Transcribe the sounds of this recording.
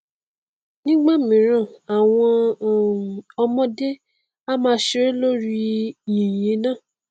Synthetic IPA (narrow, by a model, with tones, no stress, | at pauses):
nĩ˦ɡ͡ba˦˨mĩ˨˦ɾ̃ã˦˨a˨w̃ɔ̃˧˨ | ɔ˧mɔ̃˦de˦ | a˦mãː˧˦ʃe˦ɾe˦lo˦ɾi˧jĩ˨je˨˦nã˦˨